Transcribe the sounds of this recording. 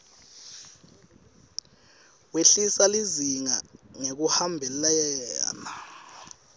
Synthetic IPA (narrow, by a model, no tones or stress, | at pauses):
weɬisaliziŋaŋek̬uhambʱɛlajajɛːna